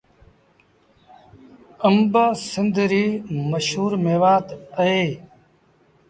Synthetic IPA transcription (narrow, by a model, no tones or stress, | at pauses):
əmbəsɪnd̪ɾiːməʃhuːɾmeːʋaːt̪əeː